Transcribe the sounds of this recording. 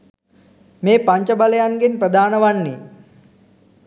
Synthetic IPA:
meːpaɲt͡ʃəbaləjaŋɡenprəd̪aːnəʋanːiː

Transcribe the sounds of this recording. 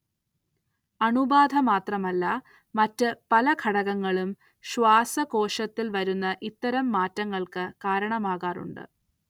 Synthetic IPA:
ɐɳubaːd̪ʱɐmaːt̪rɐmɐlːɐ | mɐtːɨpɐlɐkʰɐɽɐɣɐŋːɐɭum | ɕʋaːsɐko̞ːʂɐt̪ːilʋɐɾunːɐʔit̪ːɐɾɐmːaːtːɐŋːɐɭkɨkaːɾɐɳɐmaːɣaːrṵɳɖɨ̰

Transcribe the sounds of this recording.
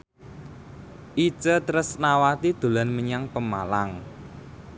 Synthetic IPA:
ʔi̥t͡ʃət̪ɾʊsnawat̪id̪̥o̤lanməɲaŋpəma̰laŋ

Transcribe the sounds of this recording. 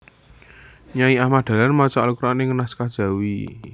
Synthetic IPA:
ɲaiahmad̪̥ä̤lanmat͡ʃɔalkuɾaneŋənaskad̥ʒ̥a̤wi

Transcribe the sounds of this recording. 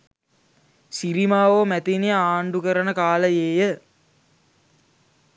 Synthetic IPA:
siɾimaːʋomæt̪inijəaːɳɖukəɾənəkaːləjeːjə

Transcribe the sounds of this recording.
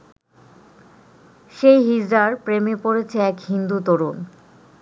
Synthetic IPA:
ʃejɦid͡ʑɾaɾpɾemepoɾet͡ɕʰeɛkɦind̪ut̪oɾun

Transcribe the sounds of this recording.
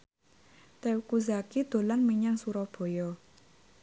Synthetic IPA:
t̪ɛwkuzakid̪̥o̤lanmiɲaŋsuɾɔhb̥ɔ̤jɔ

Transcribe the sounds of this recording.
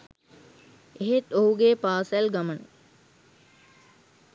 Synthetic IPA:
eɦet̪oɦuɡeːpaːsælɡamənə

